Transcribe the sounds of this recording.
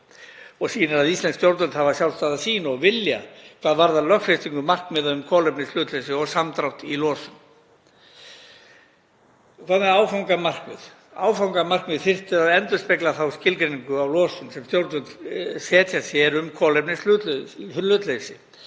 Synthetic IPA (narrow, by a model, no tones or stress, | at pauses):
ɔɣsiːnaɾaðist̪ɛnskt̪jowɾt̪œlt̪havasjawlst̪aːðasiːnaɔɣvɪlja̰kʰv̥aːðvaɾðalœxfest̪iŋkʏmar̥knmɛðaðʏmkʰɔːlɛpnɪslʏːt̪lesɪɔɣsamt̪ɾawt̪ilɔːsʏm | kʰvaðnmɛðaːwfawŋkamar̥kvɪð | a̰ːwfawŋkamar̥kvɪðfɪr̥t̪ɪɾaðɛnt̪ʏɾspeklaθawscɪlkɾeniŋkʏawlɔːsʏmsɛmst̪jowɾt̪ʏlt̪sɛːt̪jasjɛɾʏmkʰɔːlɛpnɪslʏːt̪llʏt̪lesɪ